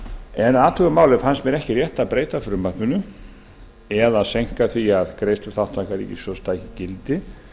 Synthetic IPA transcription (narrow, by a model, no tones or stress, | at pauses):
ɛnaːt̪ʰuɣʏmaːwlɪfansmɛɾɛhcɪrjɛht̪aðpɾeːjt̪afɾʏmːḁpʏnʏ | ɛðaðsejŋ̥kaθviaðkɾejst̪ʏθawht̪vajkaɾḭḭsɔst̪ajcɪcɪlt̪ɪ